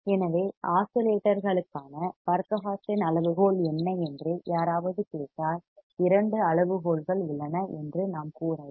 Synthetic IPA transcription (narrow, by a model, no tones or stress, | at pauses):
ɛnɐʋeːaːsɐleːʈːɐɾɣɐɭɯkːaːnɐpɐɾkɐɦaːsɪnɐɭɐʋɯɣoːɭɛnːɐɛndrɯjaːɾaːʋɐðɯkeːʈːaːlɪɾɐɳɖɯɐɭɐʋɯɣoːlɣɐɭɪlːɐnɐɛndrɯnaːmkuːɾaː